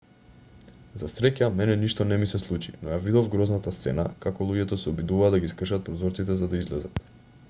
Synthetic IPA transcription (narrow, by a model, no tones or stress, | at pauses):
zasɾɛcamɛnɛniʃt̪ɔnɛmisɛslˠut͡ʃḭnɔjavid̪ovɡɾɔznat̪ast̪sɛ̰na̰kakɔlˠuɟɛt̪ɔsɛɔbid̪uvaːd̪aɡiskr̩ʃat̪̚pɾɔzɔɾt̪sit̪ɛzad̪aizlɛzat̪